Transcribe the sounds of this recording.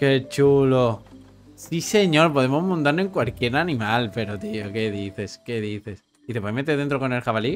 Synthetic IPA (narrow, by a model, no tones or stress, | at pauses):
ke̞t͡ʃulo | sise̞ɲo̞ɾpo̞ðe̞mo̞zmõnt̪aɾnoeŋkwalkje̞ɾanĩmalpe̞ɾot̪ioke̞ðiθe̞ske̞ðiθe̞s | iθepwojmet̪eðent̪ɾoko̞ne̞lxaβali